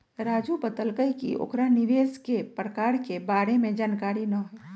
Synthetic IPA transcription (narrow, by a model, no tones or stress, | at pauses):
ɾad͡ʒupət̪əlkəjkḭo̰kɾaniʋeːskepɾəkaɾkebaːɽemẽd͡ʒaːnkaɾinəɦɛ